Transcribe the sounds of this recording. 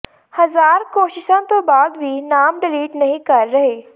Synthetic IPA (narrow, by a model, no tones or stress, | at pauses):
hɐzaːɾkoːʃɪʃãt̪obaːd̪bʱinaːmɖɪliːʈnɐɦĩkɐɾːɐɦeː